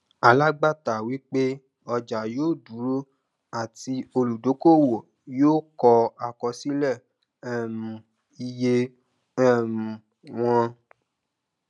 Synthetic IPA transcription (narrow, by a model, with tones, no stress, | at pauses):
a˨la˦ɡ͡ba˦˨ta˨wi˦k͡pe˦ | ɔ˧d͡ʒa˨joː˦˨du˨˦ɾo˦ | a˦˨ti˧o˧lu˨do˨˦ko˦˨wo˨ | joː˦˨kɔ˧a˨kɔ˧si˦lɛ˦˨ | ɛ˦˨mũ˨ | i˧je˧ | ɛ˦˨mũ˨ | w̃ɔ̃˧